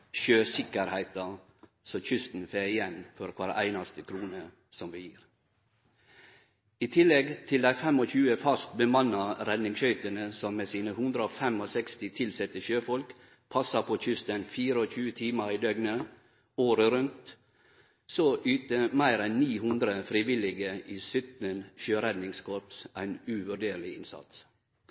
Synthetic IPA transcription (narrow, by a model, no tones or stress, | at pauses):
ʃøːsɪkəɾhæɪt̪ɑ | sɔçʏst̪n̩feːɪjɛnfɔɾkʰʋɑɾʔæ̰ɪnɑst̪əkʰɾuːnə | sɔmʋɪjiːɾ | iːt̪ʰɪlɛɡt̪ʰɪld̪æɪfɛmɔçʉːəfɑst̪bəmɑnːɑɾɛd̪nɪŋʃœʏt̪ənəsɔmːeːsiːnəhʉnd̪ɾəoːfɛmosɛkst̪ɪt̪ʰɪlsɛt̪əʃøːfɔlk | pʰɑsɑpʰoːçʏst̪ənfiːɾəoːçʉːət̪ʰiːməɾiːd̪œɡnə | oːɾəɾʉnt̪ | soːʔyːt̪əmæɪɾɛnniːhʉnd̪ɾəfɾiʋɪlɪɡəʔiːsʏt̪nənʃøːɾɛd̪nɪŋskʰɔɾpsæɪnʉʋʉɖeːɾlɪɪnsɑ̰t̪s